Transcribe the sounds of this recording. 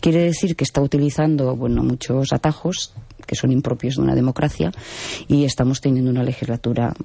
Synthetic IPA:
kjeɾeðeθiɾkest̪aut̪iliθand̪oβweno̰mut͡ʃosa̰t̪axo̞ske̞so̞nimpɾo̞pjo̞zðṵna̰ðe̞mo̞kɾʔaθja̰ie̞st̪amo̞st̪enjend̪unale̞xizlat̪uɾa̰

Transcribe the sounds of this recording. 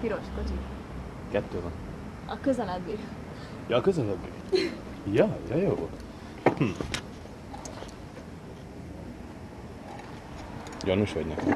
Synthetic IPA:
piɾo̞ʃkot͡ʃi | kɛt̪ːøːvɒn | ɒkøzɛlɛbːik | jɒːkøzɛlɛbːḭ | jɒjɒjoː | hm̩ | jonuʃʋɒ̰ɟnɛ̰kɛm

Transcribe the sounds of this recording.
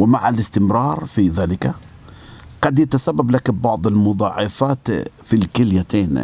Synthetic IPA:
wɪmaʕalɪst̪ɪmɾɑːɾˤfiðaːlɪka | ɡ̥ɑd̪jat̪asabːablakbɑʕd̪ˤɪlmʊd̪ˤɑʕːɑfaːt̪filkɪljat̪eːn

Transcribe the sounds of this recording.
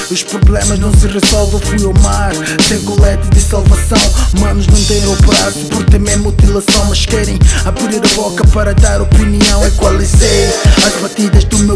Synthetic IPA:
uʃpɾuβlˠemɐʒnɐ̃w̃sɨʁɨzɔlˠvɐ̃w̃fujawmaɾ | sẽj̃kulˠɛt̪ɐðɨsalˠvɐsɐ̃w̃mɐ̃nuʒnɐ̃w̃t̪ẽj̃opɾaɾsɨ̥puɾkt̪ɐ̃mẽmut̪ilˠɐsɐ̃w̃mɐʃkɛɾẽj̃ɐpɾiɾeɾɐβɔkɐpɐɾɐd̪aɾɔpiniɐ̃w̃ɐikwɐlˠiseɐʒbɐt̪iðɐʒd̪umew

